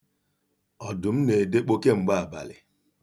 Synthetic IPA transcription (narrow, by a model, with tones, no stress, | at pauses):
ɔ˨dʊ˨m̩˦ne˨de˦k͡po˦ke˦ŋ͡m̩˨ɡ͡ba˦a˨ba̰˨lɪ̰˨